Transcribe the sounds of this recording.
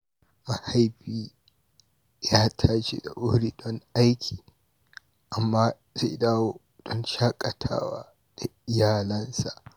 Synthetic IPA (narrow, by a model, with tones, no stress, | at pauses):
ma˨ha˦jbiː˦ | jaː˦tʰaː˦ʃḛ˦da̰˨ʔʊ˦hɽiː˨dɔ˦ŋʔa˦jkʲʰi̥ː˨ | ʔa˨mːaː˦ | zḛ˦daː˦woː˦ | d̥ɔ˦nʃaː˦kʼɐ˨tʰa̰ː˦wa̰ː˦ | d̥a˨ʔɪ˨jaː˨lɐ˦nsa˨ʔ